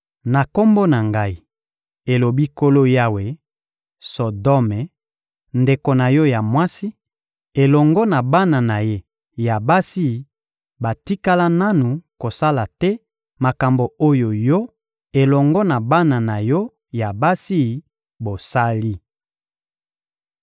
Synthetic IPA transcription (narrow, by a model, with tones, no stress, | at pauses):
na˨ko˦mbo˦na˨ŋɡa˦i˨ | e˨lo˨bi˦ko˦lo˦ja˦we˨ | sɔ˨dɔ˦mɛ˨ | nde˨ko˨na˨jɔ˦ja˨mwa˦si˦ | e˨lɔ˨ŋɡɔ˦na˨ba˦na˨na˨je˦ | ja˨ba˦si˦˨ | ba˨ti˦ka˦la˦na˦nu˨ko˨sa˦la˨tɛ˦ | ma˨ka˨mbo˨o˦jo˨jɔ˦ | e˨lɔ˨ŋɡɔ˦na˨ba˦na˨na˨jɔ˦ | ja˨ba˦si˦˨ | bo˨sa˦li˦